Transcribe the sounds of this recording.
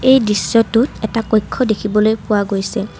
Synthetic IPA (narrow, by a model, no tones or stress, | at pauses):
ejdisːɔtʊtɛtakɔjkʰːɔdekʰibɔlojpʊwaɡojsɛ